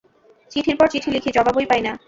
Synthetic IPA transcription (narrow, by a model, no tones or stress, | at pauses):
t͡ɕiʈʰiɾpɔɾt͡ɕiʈʰilikʰid͡ʑɔbabɦojpajna